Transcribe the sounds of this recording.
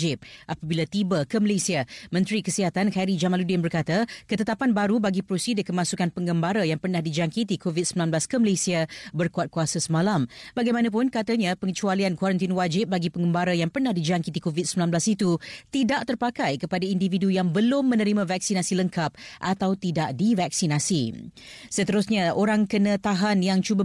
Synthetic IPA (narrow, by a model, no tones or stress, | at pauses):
d͡ʒɪp̚ʔapabilat̪ibəkəməlesiamə̃nt̪ɾikəsiɦat̪ankaɾid͡ʒamaludɪnbərkat̪akət̪ət̪apanbaɾubaɡipɾosidəkəmãsukanpəŋɡəmbaɾajaŋpərnahdid͡ʒaŋkit̪ikʰovit̪̚səmilanblaskəməlesiabərkuat̪̚kuasasəmãlambaɡajmãnãp̬ʊnkat̪aɲãpəŋət͡ʃualiankwaɾənt̪inwad͡ʒɪp̚baɡipəŋɡəmbaɾajaŋpərnahdid͡ʒaŋkit̪ikovit̪̚səmilanblasit̪ut̪idaʔ̚t̪ərpakajkəpadaindividujaŋbəlʊmːə̃nəɾimãvak̚sinasiləŋkap̚ʔat̪awt̪idaʔdivak̚sinasḭ | sət̪əɾʊsɲaoɾaŋkənə̃t̪aɦanjaŋt͡ʃuba